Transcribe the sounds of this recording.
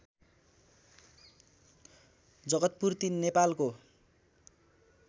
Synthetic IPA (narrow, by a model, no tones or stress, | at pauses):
d͡zʌɡʌt̪̚purt̪inːepalko